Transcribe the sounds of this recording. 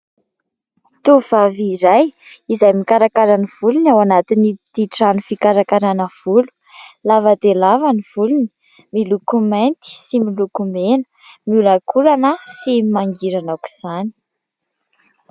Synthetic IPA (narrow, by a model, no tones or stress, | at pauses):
t̪uvaviɾaj | izajmikaɾakaɾəniv̥ulunawanat̪init̪iʈ͡ʂanufikaɾakaɾanəv̥ulu̥ | lavad̪elavaniv̥uluni̥ | milukumant̪i̥similukumenə̥ | miulakulanəsimaŋɡiɾanaki̥z̥ani̥